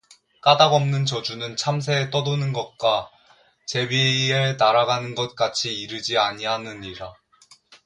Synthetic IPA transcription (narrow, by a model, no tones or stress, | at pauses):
k͈adaɡʌmnɯnt͡ɕʌd͡ʑunɯnt͡ɕʰams̬ʰe̞ːt͈ʌdonɯnɡʌt̚k͈a | t͡ɕe̞bienaɾaɡanɯnɡʌt̚k͈at͡ɕʰiːɾɯd͡ʑiaɲianɯniɾa